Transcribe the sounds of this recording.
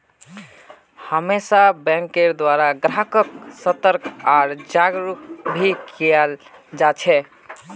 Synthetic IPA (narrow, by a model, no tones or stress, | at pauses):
həmesabɛ̃ŋkeɾd̪waɾaɡɾakəksət̪əɾkʰaɾd͡ʒaɡɾukbʱikʰiɛld͡ʒat͡ʃʰɛ